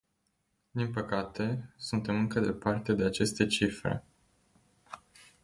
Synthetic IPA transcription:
d̪inpəkat̪e̞sunt̪e̞mɨŋkəd̪e̞part̪e̞d̪e̞at͡ʃe̞st̪e̞t͡ʃifɾe̞̰

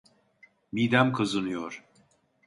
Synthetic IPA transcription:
mid̪æmkʰɯzɯnɯjoɾ̥

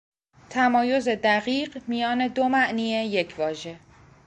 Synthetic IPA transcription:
t̪ʰæmɒːjo̞ze̞d̪æɣiːɢmijɒːne̞d̪o̞mæʔniːeje̞cʰvɒːʒe̞

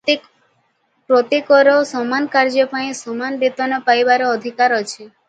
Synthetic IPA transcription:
pɾɔt̪ikɔɾɔsɔmankaɾd͡ʒɔpaĩsɔmanb̪it̪ɔnɔpajbaɾɔɔd̪ʱikaɾɔt͡ʃʰe

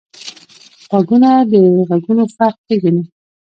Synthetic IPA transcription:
ɣaɡunad̪əɣaɡunofaq̚teɡani

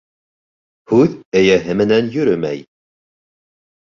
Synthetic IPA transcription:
hʉðɘjæɦɘmɘ̆nænjɵ̆ɾɵmæ̰j

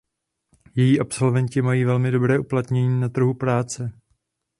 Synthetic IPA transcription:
jɛjiːʔapso̞lvɛɲcɪmajiːvɛlmɪdo̞bɾɛːʔuplat̪ɲɛɲiːnat̪r̩ɦupɾaːt͡sɛ

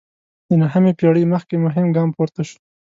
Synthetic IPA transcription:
d̪̥ənaɦamepjɑɽəjməxkemʊɦɪmɡɑmpoɾt̪aʃu̥

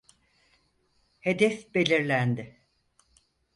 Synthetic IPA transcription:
he̞d̪ɛfbe̞lʲiɾlʲænd̪ɪ

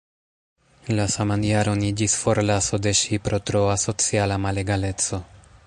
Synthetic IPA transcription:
lasamanjaɾo̞nid͡ʒisfoɾlasod̪e̞ʃipɾotɾoaso̞t͡sialamaleɡale̞t͡so̞

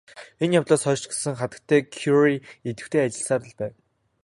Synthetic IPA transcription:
enjawt̪ɮoːsχœːt͡ɕɡe̥sɘ̆ŋχat̪ə̥̆k̚t̪ʰːæːkʰjuriet̪ɘ̆kt̪ʰeːat͡ɕɪ̆ɬsaːrə̆ɮpæːw

